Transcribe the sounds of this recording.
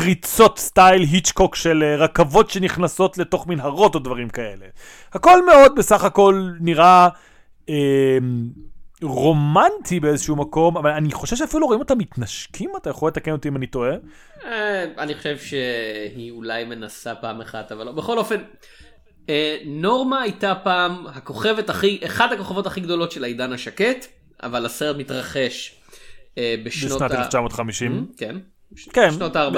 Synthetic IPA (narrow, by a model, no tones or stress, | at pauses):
kʁit͡so̞tstajlɦit͡ʃkokʃeleʁakavo̞tʃe̞niχnaso̞tle̞to̞χminɦaʁo̞todvaʁimkae̞le̞ | hako̞lme̞o̞d̪̚be̞saχako̞lniʁa | em | ʁo̞mantʰibeezeʃuumako̞mavalaniχo̞ʃevʃeafiluʁoimo̞tamit̪naʃkʰimatajaχolːet̪akeno̞timanito̞e̞ | eaniχoʃevʃehiulajme̞nasapaːmeχat̪avalobeχo̞lo̞fe̞n | eno̞ʁmaːjtapaːmhako̞χe̞vetaχiʔeχad̪hako̞χavo̞t̪aχiɡd̪o̞lo̞tʃelaidanhaʃake̞t̪ | ʔa̰valaseʁetmit̪ʁaχe̞ʃ | beʃnotnat̪elft͡ʃamoːt̪χamiʃimken | kenʃnotaːʁb